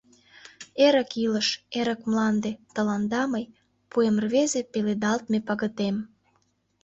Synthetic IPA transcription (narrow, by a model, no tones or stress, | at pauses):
eɾəkiləʃeɾəkmlɑnd̪et̪əlɑnd̪ɑməj | puemrβezepeled̪ɑlt̪̚mepɑɣə̆t̪em